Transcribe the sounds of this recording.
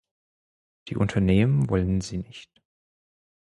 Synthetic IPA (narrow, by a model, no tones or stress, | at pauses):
d̥ḭːʔʊntʰɐneːmənvɔlənziːnɪçt